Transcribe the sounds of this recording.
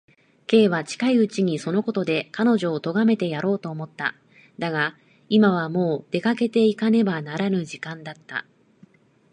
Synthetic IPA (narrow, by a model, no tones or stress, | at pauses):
ke̞ːβat͡ɕi̥kaiɯ̟t͡ɕiɲ̟iso̞no̞ko̞t̪o̞d̪e̞kano̞ʑo̞ːt̪o̞ɡame̞t̪e̞jaɾo̞ːt̪o̞ːmo̞t̪ːa̰ | d̪aɡa | imaβ̞amo̞ːd̪̥e̞kake̞t̪e̞ikane̞banaɾanɯ̟ʑikãnd̪at̪ːa̰